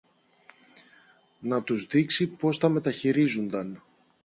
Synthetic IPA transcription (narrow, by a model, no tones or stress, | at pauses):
nɐt̪uzðiksipo̞st̪ɐme̞t̪ɐçiɾizund̪ɐn